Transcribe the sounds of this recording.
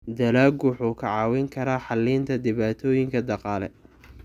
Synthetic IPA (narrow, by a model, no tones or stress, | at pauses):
d̪ɐlaːɡwħuːkʰɐʕɑːwɪŋkʰɐɾaːħɑlːiːnt̪ʰɐd̪ɪβaːt̪ʰɔːjɪŋkʰɐd̪ɑqɑːlɛ̰